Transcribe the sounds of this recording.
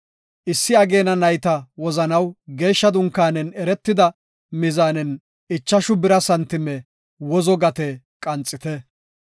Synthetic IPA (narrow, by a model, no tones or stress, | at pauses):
ʔɪsːɪɐɡe̞ːnɐnɐjt̪ɐwɔzɐnɐwɡe̞ːʃːɐd̪ʊŋkːaːnɛnɛɾɛt̪ːɪd̪ɐ | mɪzaːnɛn | ɪt͡ʃːɐʃʊbɪɾɐsɐnt̪ːɪmɛ | wɔzɔɡɐt̪ɛ | kʼɐnt͡sʼːɪt̪ɛ